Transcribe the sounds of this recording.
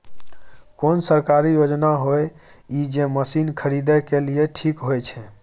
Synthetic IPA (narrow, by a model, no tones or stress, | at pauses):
konsəɾkaɾijod͡ʒnaɦoj | id͡ʒeməsinkʰəɾid̪ɛkelieʈʰikɦojt͡ʃʰɛ